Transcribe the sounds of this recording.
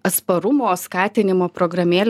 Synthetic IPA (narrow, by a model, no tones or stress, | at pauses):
ɐt̪spɐɾʊmoːskɑːt̪ʲɪnʲɪmoːpɾoːɡɾɐmʲeːlʲ